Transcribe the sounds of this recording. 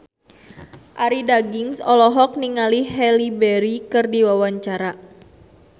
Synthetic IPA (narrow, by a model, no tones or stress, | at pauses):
ʔaɾidaɡiŋsɔlɔɦɔk̚niŋaliɦɛlibɛɾikɨrdiwawaɲt͡ʃaɾa